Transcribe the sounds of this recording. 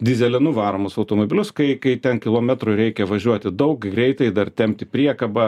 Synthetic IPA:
d̪ʲɪzʲɛlʲɪnʊʋɑːɾoːmʊsɐʊt̪oːmoːbʲɪlʲʊskɐɪkɐɪt̪ʲɛnkʲɪlˠoːmʲɛt̪ɾʊɾʲɛɪkʲɛʋɐʒʲuɔt̪ʲɪd̪ɐʊkɡɾʲɛɪt̪ɐɪd̪ɐrt̪ʲɛmʲp̚ʲt̪ʲɪpʲɾʲiɛkɐbɐ

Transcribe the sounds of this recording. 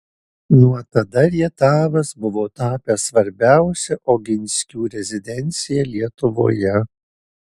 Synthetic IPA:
nuɔt̪ɐd̪ɐɾʲiɛt̪ɑːʋɐsbʊʋoːt̪ɑːpʲɛsʋɐɾʲbʲæˑʊsʲɛʔoːɡʲɪnʲsʲkʲuːɾʲɛzʲɪd̪ʲɛnʲt̪sʲɪjɛlʲiɛt̪ʊʋo̰ːjɛ

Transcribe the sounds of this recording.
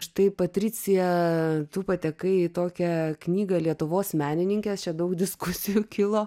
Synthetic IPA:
ʃt̪ɐɪpɐt̪ʲɾʲɪt͡s̪ʲɪjɛt̪uːpɐt̪ʲɛkɐɪɪt̪oːkʲɛknʲiːɡɐlʲiɛt̪ʊʋoːsmʲæːnʲɪnʲɪŋʲkʲɛst͡ʃʲɛd̪ɐʊkd̪ʲɪskʊsʲɪjukʲɪlˠoː

